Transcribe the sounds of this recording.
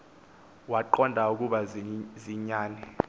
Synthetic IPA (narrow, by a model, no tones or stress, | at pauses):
waǃɔndʱauk̬ʼuɓaziɲaːnɛ